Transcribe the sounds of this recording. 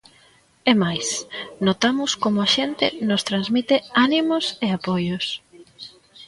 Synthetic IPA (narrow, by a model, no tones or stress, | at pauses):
emajsnot̪amʊskomʊaʃent̪ɪnost̪ɾanzmit̪eanimʊseapojʊs